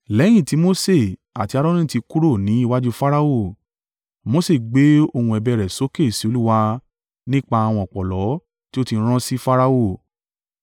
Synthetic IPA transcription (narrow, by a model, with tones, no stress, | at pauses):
lɛ˨˦j̃ĩ˦˨ti˨˦mo˦se˦˨ | a̰˨ti˧˦a˧ɾɔ˦ñĩ˦ti˧ku˦ɾo˦˨nĩ˨˦i˦˧wa˦d͡ʒu˦fa˦ɾa˧o˦˨ | mo˨˦se˦˨ɡ͡be˨˦o˧˨hũ˧ɛ˨bɛ˧˨ɾɛ˨so˦ke˦˨si˨˦o˧lu˦wa˧ | nĩ˦k͡pa˧a˧w̃ɔ̃˧ɔ˨k͡pɔ˨lɔ˨˦ | ti˦o˦tĩ˧˦ɾ̃ã˦si˦fa˦ɾa˧o˦˨